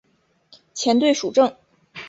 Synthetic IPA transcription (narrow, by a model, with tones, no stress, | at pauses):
t͡ɕʰjɛ˧˥nt̪we˥˩ɪʂu˨˩ʈ͡ʂɤ˥˩ŋ